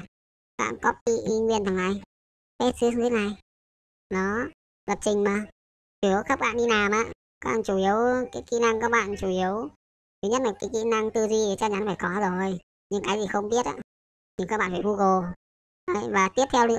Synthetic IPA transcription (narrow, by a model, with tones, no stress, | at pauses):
ɓa̰ː˧˨nkɔ˨˦kḭ˧˨˧ŋwi˧˩ənt̪ʰa˨˩ŋʔa˧˩j | fe˦˥t̚sɨ˧˦˧t̪ʰe˨˦na˨˩j | nɔ˨˦ | və˨˩t̚t͡ɕï˨˩ŋ̟maː˨˩ | u˧˩ə˨˦wxa˦˥k͡p̚ɓa̰ː˧˨nɗi˧naː˨˩mʔa̰ː˧˦ | kaː˦k̚ɓa̰ː˧˨˩t͡ɕu˧˩ʔi˨˦əwkaː˨˦jkḭ˧˥na˧ŋkaː˦˥k̚ɓa̰ː˧˨nt͡ɕu˧˩ʔi˨˦əw | t̪u˨˦ɲə˦˥t̚na˨˩kai˨˦kḭ˧˨na˧ŋt̪ɨ˧zi˧˨˩t͡ɕa˧˥ɲa˨˦nfaː˧˩jkɔ˨˦zo˨˩j | ɲɨ˧ŋkaː˨˦jzi˨˩xə˧wŋ͡mɓi˦˥ət̚ʔa̰ː˧˨ | ɲɨ˧ŋkaː˦˥k̚ɓa̰ː˧˨˩faː˧˩vu˧ɣo˨˩ | ʔə˨˦jvaː˨˩t̪i˦˥əp̚t̪ʰɛ˧wɗɨ˧˥